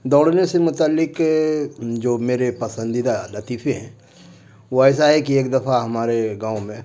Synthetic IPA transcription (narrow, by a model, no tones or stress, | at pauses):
d̪ɔːɽnesemʊt̪aːlːɪk | d͡ʒoːmeːɾepɐsə̃nd̪ɪd̪alɐt̪iːfʰeɦɛ̰̃ | ʋoɛːs̬aɦɛkieːkd̪ɐfʰaɦɐmaːɾeɡãːʊ̃mẽ